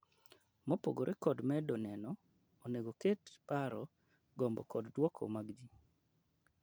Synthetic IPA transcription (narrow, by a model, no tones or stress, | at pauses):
mɔpo̰ɡoɾʔekɔdmɛdɔnɛnɔ | oneɡoketpaɾɔ | ɡɔmbɔ̰kɔddwɔkʰo̰maɡd͡ʒi